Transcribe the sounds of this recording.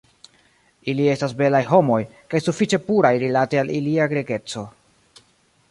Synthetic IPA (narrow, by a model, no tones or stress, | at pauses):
ilie̞stasbe̞lajɦo̞mo̞jkajsufit͡ʃe̞puɾajɾilatealiliaɡɾeɡe̞t͡so̞